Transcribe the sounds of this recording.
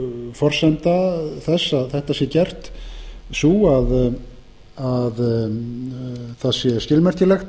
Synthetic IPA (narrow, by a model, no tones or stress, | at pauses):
fɔr̥sɛnt̪aθɛsːaðθɛht̪asjɛcɛr̥t̪suað | að | θaðsjɛscɪlmɛr̥c̪ɪlɛxt̪